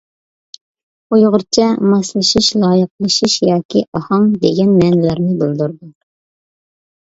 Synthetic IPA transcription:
ojʁʊɾt͡ʃʰɛmɑslˠɨʃiʃlˠɑːjəq̚lˠɨʃiʃjɑːkʲʰiʔɑhɑŋd̪eɡʲɛnmɛnɪlæɾnɪbɨlˠd̪uɾd̪u

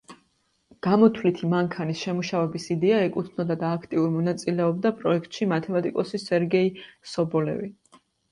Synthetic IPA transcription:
ɡ̥amɔt̪ʰwlit̪ʰimaŋkʰanisʃɛmuʃavɛbisid̪ɛaɛkʼut̪ʰnɔd̪ad̪aːkʰt̪ʼiuɾmɔnat̪sʼilɛɔb̚d̪apʼɾɔɛkʰt̪ʼʃimat̪ʰɛmat̪ʼikʼɔsisɛɾɡɛisɔbɔlɛ̰vi

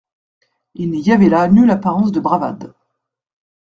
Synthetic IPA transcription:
ilnijavɛlanylapaʁɑ̃s̬d̪əbʁava̰d̪

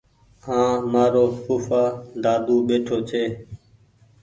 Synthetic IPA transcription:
hãːmaːɾoːkuːfaːɖ̪aːd̪uːɓeːʈʰoːt͡ʃʰeː

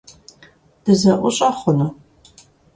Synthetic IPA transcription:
d̥ɨzɐʔʷʊɕʼɐχʷʊnɐ

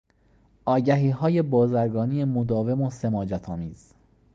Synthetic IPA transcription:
ʔɒːɟæɦiːɦɒːje̞bɒːzæɾɡɒːnijemod̪ɒːve̞mosemɒːd͡ʒæt̪ʰɒːmiːz̥

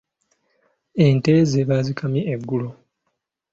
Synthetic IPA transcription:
e̞ːnte̞ːzeβazikʰamiʔeɡːulo

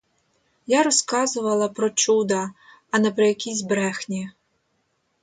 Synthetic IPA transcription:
jaɾɔskɑzʊʋɐlˠɐpɾɔt͡ʃud̪ɐː | nɐpɾɔjɐkʲisʲbɾɛxnʲi

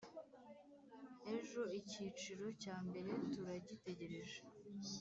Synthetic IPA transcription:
e̞ʒo̞icit͡ʃiɾo̞caːmbe̞ɾe̞tuɾaɟite̞ɟe̞ɾe̞ʒe

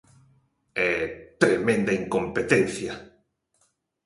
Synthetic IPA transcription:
ɛt̪ɾemẽnd̪ɐiŋkompet̪en̟θjɐ

